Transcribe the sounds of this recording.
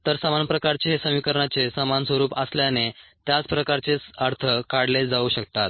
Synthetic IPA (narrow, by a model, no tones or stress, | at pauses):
t̪əɾsamanpɾəkaɾt͡seɦesəmikəɾɳat͡sesəmansʋəɾuːpəsljanet̪jat͡spɾəkaɾt͡sesəɾt̪ʰəkaɽled͡zauɕək̚t̪at̪̚